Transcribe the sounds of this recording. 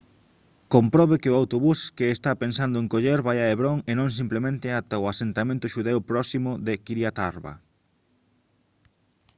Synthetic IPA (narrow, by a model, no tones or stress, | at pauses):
kompɾɔβekɪʊawt̪oβuskeːst̪apensand̪ʊeŋkoʎeɾβajaeβɾoŋenõŋs̬implemẽnt̪ɪat̪aʊasent̪amẽnt̪ʊʃuðewpɾɔsimʊðekiɾjat̪aɾβa̰